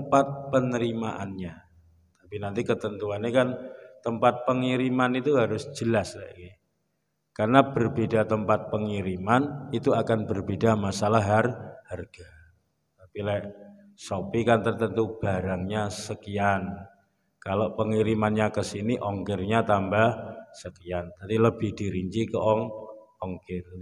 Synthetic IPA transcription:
əmpat̪̚pənəɾimaʔa̰nɲa | t̪apinant̪ikət̪ənt̪uanekant̪əmpat̪̚pəŋiɾimanit̪uɦaɾʊsd͡ʒ̥əlaslaɡi | karnab̥ərbedat̪əmpat̪̚pəŋiɾimanit̪uakanbərbedamasalaɦarharɡ̥a | t̪apilɛʔ | sopikant̪ərt̪ənt̪ub̥aɾaŋɲasəkian | kaloʔpəŋiɾimanɲakəsiniʔɔŋkɪrɲat̪ambahsəkiant̪adiləbɪhd̥iɾiɲt͡ʃikəʔɔŋ | ɔŋkɪr

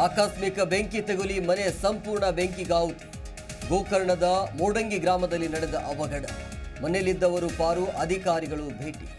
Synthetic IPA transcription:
aːkaːsmikɐbeŋkit̪eɡulimɐne̞sɐmpuːɾɳɐbeŋkiɡaːwut̪u̥ | ɡoːkɐɾɐɳɐd̪ɐmoːɽɐŋɡiɡɾaːmɐd̪ɐlːinɐɽɛd̪ɐʔɐʋɐɡɐɽɐmɐnelːid̪ːɐʋɐɾupaːɾuʔɐd̪ʱikaːɾiɡɐɭubʱeːʈi

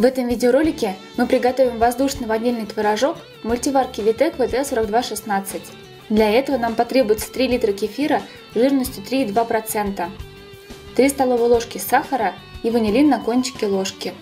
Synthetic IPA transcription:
vɛt̪əmvʲidʲɪoɾo̞lʲɪkʲɪmɨpɾʲɪɡɐt̪o̞vʲɪmvɐzd̪uʂnɨvɐdʲːelʲnɨjt̪vʲɪɾɐʐo̞k | mʊlʲtʲɪvarkʲɪvʲɪt̪ɛkvət̪ɛsoɾəɡ̚d̪vaʂɨsnat̪sɨtʲ | d̪lʲɐɛt̪əvənampɐt̪ɾʲe̞bʊjɪt̪sə̥t̪ɾʲilʲit̪ɾəkʲɪfʲiɾə | ʐɨrnəsʲtʲʊt̪ɾʲiːd̪vapɾɐt̪sɛnt̪ə | t̪ɾʲist̪ɐlˠo̞vəjlˠo̞ʂkʲɪsaxəɾə | ivɨnʲɪlʲinːɐkonʲt͡ɕɪ̥kʲɪlˠo̞ʂkʲɪ

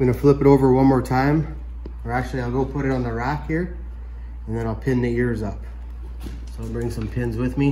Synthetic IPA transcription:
ɡʌnɨflɪpɨɾoʊvə˞wʌ̃nmɔɹtʰãɪ̃m̥ | ə˞æk̚t͡ʃʉl̩ˠiaɪlˠɡoʊpʰʊɾɨɾn̩ðəɹækhiɹ | ə̃nðɨ̃ñaɪlˠpʰɪ̃nðiɪɹzʌp̚ | soʊaɪlˠbɹɪ̃ŋsʌ̃mpʰɪ̃nzwɪðmi

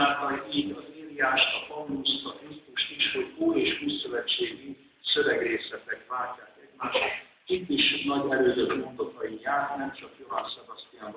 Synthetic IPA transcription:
at̪ɔiːɟɒziːlijaːʃt̪ɒpɒnːust̪ɒkist̪uʃt̪iʃho̞ɟoːjeːʃuːjsø̞vɛt͡ʃːeːɡi | sø̞vɛɡreːsɛt̪ɛkvaːlcːaːkɛɟmaːʃl | it̪ːiʃnɒɟɛɾøːzøkmo̞nd̪ot̪ɒjijaːrnɛmt͡ʃɒkjovaːnsɛbɒst̪ijamb

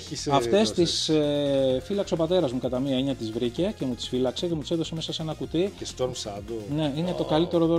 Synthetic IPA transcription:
ɐft̪e̞st̪isefilɐkseo̞pɐt̪e̞ɾɐzmukɐt̪ɐmiɐeɲɐt̪izvɾice̞ce̞mut̪i̥sfilɐkse̞cemut̪iseðo̞se̞me̞sɐsenɐkut̪iest̪oɾmsɐd̪one̞ine̞t̪o̞kɐlit̪e̞ɾoðo

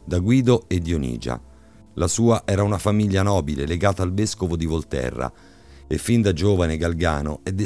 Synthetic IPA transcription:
d̪aɡwiːd̪oed̪ːionḭːd͡ʒa̰ | lasuːaʔɛːɾaunafamiʎːanɔːbileleɡaːt̪aːlveskovod̪ivolt̪ɛ̰rːa̰ | efːind̪ad͡ʒoːvaneɡalɡa̰ːnoɛd̪ːe

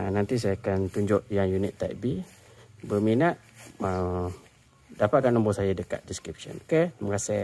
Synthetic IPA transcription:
anant̪is̬ajakant̪uɲd͡ʒʊʔjaŋjunit̪ːaʔbi | bəminat̪̚ə | dapat̪̚kanəmbɔsajadəka̰t̪̚diskɾip̚sə̰noket̪əməkasɛ

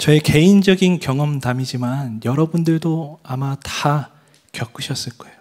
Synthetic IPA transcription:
t͡ɕʌe̞ke̞ind͡ʑʌɡinkjʌŋʌmtamid͡ʑimanjʌɾʌbundɯɭdoamata | kjʌk͈uɕʰʌs͈ɯɭk͈ʌejo

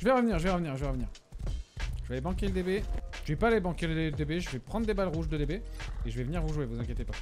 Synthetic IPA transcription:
ʒəvɛʁəvniːʁʒəvɛʁəvniːʁʒəvɛʁəvniːʁ | ʒəvalɛbɑ̃kʲeləd̪ebeʒəvɛpaːlebɑ̃kʲeləed̪ebeʒəvɛpχɑ̃d̪ʁd̪ebalʁuʒd̪əd̪ebeeʒəvɛvəniʁvuʒwevuzɛ̃kjet̪epa

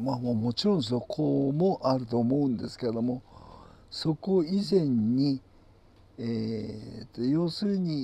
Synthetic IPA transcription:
mamoːmo̞t͡ɕiɾõ̞ñs̬o̞kʰomo̞ʔaɾɯ̟t̪o̞ːmo̞ɯ̟̃nd̪e̞sɨ̥keed̪o̞mo̞ | so̞ko̞izẽ̞ɲ̟ːi | et̪ːojo̞ːsɨːɲ̟i

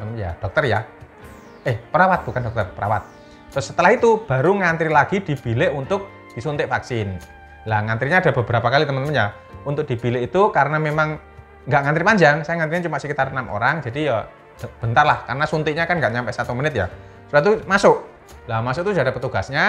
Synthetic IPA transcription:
ənmja̰d̥ɔk̚t̪ərja | ehpəɾawat̪̚b̥ukandɔk̚t̪ərpəɾa̰wat̪̚ː | ʊsːət̪əlahit̪ub̥aɾuŋant̪ɾilaɡ̥id̥i̤b̥ilɪʔunt̪ʊk̚ | d̥isunt̪ɪʔfaksɪn | laŋant̪ɾiɲaːd̥abəbəɾapakalit̪əmənəmənja | unt̪ʊk̚d̥i̤b̥ilɪʔit̪ukaɾənamemaŋ | ŋɡaʔŋant̪ɾipaɲd͡ʒaŋsajaŋant̪ɾiɲat͡ʃumaʔsəkit̪arnamʔo̰ɾaŋd͡ʒadijḁ | b̥ənt̪arlahkarənasunt̪ɪʔɲakanŋɡaʔɲampɛʔsat̪umənɪt̪̚ja̰ | sbat̪umasʊʔ | lamasʊʔ̚t̪udadapət̪uɡ̥asɲa

